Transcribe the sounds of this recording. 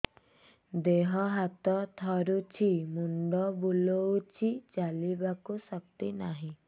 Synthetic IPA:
d̪eɦɔɦat̪ɔt̪ʰɔɾut͡ʃʰimuɳɖɔbulowt͡ʃʰit͡ʃalibakusɔk̚t̪inaɦĩ

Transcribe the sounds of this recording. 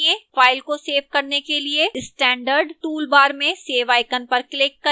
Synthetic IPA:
ẽfaːɪlkoseːʋkɐɾnekelieɪsʈɛ̃ːɳɖəɾɖʈuːlbaːɾmẽseːʋaːɪkənpɐɾklɪkːɐ

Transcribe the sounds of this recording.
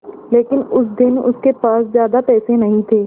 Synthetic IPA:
leːkɪnʊs̬d̪ɪnʊ̰skepaːszjaːd̪apɛːsẽnɐɦĩt̪ʰeː

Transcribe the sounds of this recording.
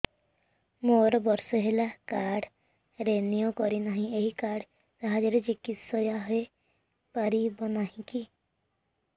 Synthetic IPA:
moɾɔbɔɾsɔɦelakaɾɖ | ɾenijokɔɾinaɦĩeɦikaɾɖ | saɦad͡ʒɔɾed͡ʒikisɔjaɦɔe | paɾibɔnaɦĩki

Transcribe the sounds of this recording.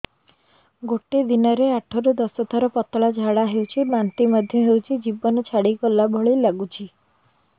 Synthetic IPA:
ɡoʈed̪inɔɾeaʈʰɔɾud̪ɔsɔt̪ʰaɾɔpɔt̪ɭad͡ʒʱaɽaɦewt͡ʃʰibant̪imɔd̪ʱjɔɦewt͡ʃʰid͡ʒibɔnɔt͡ʃʰaɽikɔlabʱɔɭilaɡut͡ʃʰi

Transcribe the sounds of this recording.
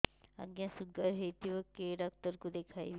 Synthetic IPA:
a̰ɡjãsuɡaɾɦet̪iʋəkːeɖaːk̚t̪əɾkod̪ekʰajʋ

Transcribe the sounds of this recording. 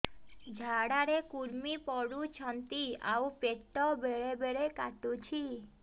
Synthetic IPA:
d͡ʒʱaɽaɾekuɾmipɔɽut͡ʃʰɔnt̪ia̰wpeʈːɔbeɭebeɭekaʈut͡ʃʰi

